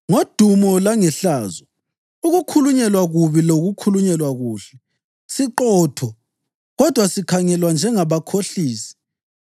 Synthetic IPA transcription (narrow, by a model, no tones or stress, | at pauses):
ŋod̥ʱumɔlaŋɛɬaːzɔ | uɣukʰuluɲɛlwaɣuβiloɣukʰuluɲɛlwaɣuːɬɛ | siǃɔːtʰɔ | ɣɔd̥ʱwasikʰaŋɛlwand͡ʒʱɛŋaβakʰoɬiːsi̥